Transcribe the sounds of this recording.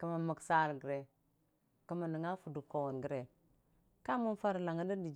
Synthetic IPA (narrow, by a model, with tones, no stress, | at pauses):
kə˨ma˨mə˨ksa˦˨ɾɡə˨ɾe˨ | kə˨ma˨nə˨ŋa˦fu˨du˨kːo˨wo˨nɡə˨ɾe˨ | ka˦mu˦nfa˦ɾla˨ŋə˦də˦di˨d͡ʒ